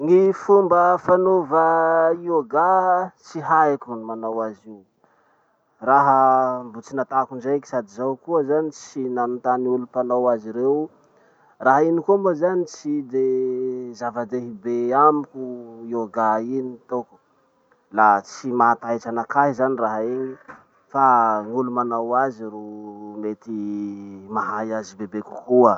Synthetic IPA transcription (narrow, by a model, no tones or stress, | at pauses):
ŋifumbəfanovəioɡat͡siɦakʲunimanawaziw | raɦəmbut͡sinat̪akund͡ʒajki̥sad̪izawkuəzanit͡sinanut̪aniulupanawaziɾew | raɦinikomozanit͡sid̪ezavad̪eɦibeamikʲuioɡainit̪oku̥ | lat͡simat̪ajt͡ʃanakaɦizaniraɦaeɲi | faŋulumanawazirumet̪i | maɦajazibebekukuə